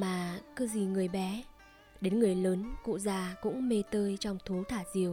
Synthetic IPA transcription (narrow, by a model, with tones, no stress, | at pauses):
maː˨˩kɨ˧zi˨˩ŋɨ˨˩əjɓɛ˨˦ | ɗe˨˦nŋɨ˨˩əjləː˨˦nkṵ˧˨zaː˧˩kʊ̰˧˥ŋ͡mme˧t̪əː˧jt͡ɕɔ˧wŋ͡mt̪ʰu˨˦t̪ʰaː˧˩zi˨˩əw